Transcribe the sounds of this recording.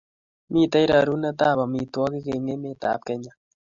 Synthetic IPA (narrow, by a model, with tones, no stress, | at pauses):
mi˦t̪a˦i˦ɾa˨ɾu˦na˦t̪a˦˨βa˨mi˨t̪wa˦ki˦ke˨ŋe˦me˦˨t̪a̰˨˦p̚kɛ˦ɲa˦